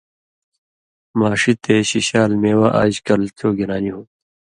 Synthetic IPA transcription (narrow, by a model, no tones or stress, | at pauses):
maːʂit̪eːɕiɕaːlmeːwaʔa̰ːd͡ʑkɐlt̪ʰoːɡiɾaːniɦoː